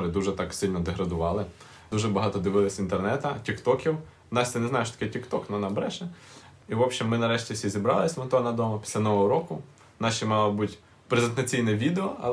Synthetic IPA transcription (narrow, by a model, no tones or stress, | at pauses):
ɾɪd̪uʒɛt̪ɑksɪlʲnɔd̪eɦɾɐd̪ʊʋɑlˠɪ | d̪uʒɛbɐɦɑt̪ɔd̪ɪʋɪlˠɪsʲint̪ernɛt̪ɐtʲikt̪ɔkʲiw | nɑsʲt̪ɪnɛzɑjʊʃt̪ɐ̥kɛtʲikt̪ɔknɔnɐbɾɛʒɛiʋɔpʃimːɪnɐɾɛʃtʲiwsʲizʲibɾɑ̰lˠɪsʲmɔnt̪ɔnɐd̪ɔmɐpʲi̥sʲlʲɐnɔʋɔɦɔɾɔkʊ | nɑʃʲimɑlˠɐbutʲ | pɾezent̪ɐt͡sʲijnɛʋʲid̪eɔɐ̰